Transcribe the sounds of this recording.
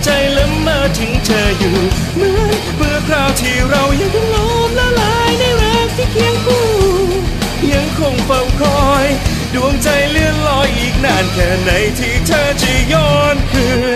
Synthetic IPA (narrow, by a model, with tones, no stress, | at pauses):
t͡ɕa˧jlɯ˦˥mːaː˧t̪ʰɯ˨˦ŋt͡ɕʰɤː˧˩juː˨˩ | mɯ˧˥əj | mɯ˧əkʰɾaː˧˩wt̪ʰiː˧˩ɾa˧wja˧ŋdɔ˧˩ŋloː˦˥mlaː˧laː˨˦jna˧˩jɾɛː˦˥k̚t̪ʰiː˧˩kʰi˧˦əŋkuː˧˩ | ja˧ŋkʰo˧˩ŋfɤ˧˩wkʰɔː˧˩j | du˧˩əŋt͡ɕa˧jlɯ˧ənlɔː˧jʔiː˨˩k̚naː˧˩nkɛː˨˩na˨˥jt̪ʰiː˧˩t͡ɕʰaː˧˩t͡ɕʰi˧˩jɔː˧˩nkʰɯː˧